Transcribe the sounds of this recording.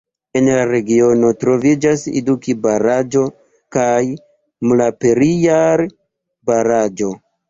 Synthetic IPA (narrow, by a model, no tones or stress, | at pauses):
e̞nlaɾe̞ɡio̞no̞tɾo̞vid͡ʒasḛdukibaɾad͡ʒo̞ | kaj | mulape̞ɾijaɾ | baɾad͡ʒo̞